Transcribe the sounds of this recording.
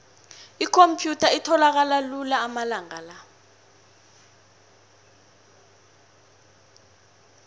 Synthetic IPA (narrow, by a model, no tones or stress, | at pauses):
ikʰompʰjutʰaitʰɔlak̬alalulaːmalaŋala